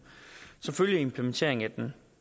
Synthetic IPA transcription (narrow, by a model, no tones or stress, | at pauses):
sɒ̽mføljie̝mpʰlement͡sʰe̝ɐe̝ŋæd̥en